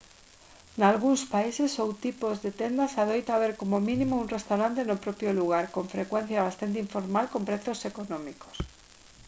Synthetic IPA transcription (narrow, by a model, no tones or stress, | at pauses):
nalɣ̞unspaisesowt̪ipozðet̪end̪asaðojt̪aβ̞eɾkomomĩnĩmounrest̪awɾant̪enopɾopjoluɣ̞aɾkoɱfɾekwẽn̟θjaβast̪ant̪̬eiɱfoɾmalkompɾeθosekonõmiko̥s